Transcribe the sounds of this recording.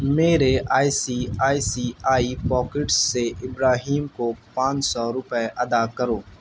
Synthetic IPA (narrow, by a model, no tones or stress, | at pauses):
meːɾeaːisiaːisiːaːipɔːkɪʈsːeʔɪbɾaːɦiːmkopãːt͡ʃsɔɾʊpɛʔɐd̪akəɾoː